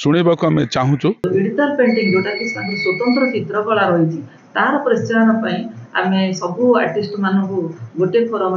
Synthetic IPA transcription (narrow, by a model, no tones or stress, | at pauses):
suɽ̃ibakuamet͡ʃaɦũt͡ʃʰuiɽit̪ɔlpeɳʈiŋd͡ʒoʈak̪isaŋk̪eswɔt̪ɔnt̪ɾɔt͡ʃit̪ɾɔkɔɭaɾɔɦit͡ʃʰi | t̪aɦaɾɔpɾɔst͡ʃaɔnɔpaĩa̰mesɔbʱua̰ɾʈisʈɔmanɔŋkuɡoʈepʰoɾɔm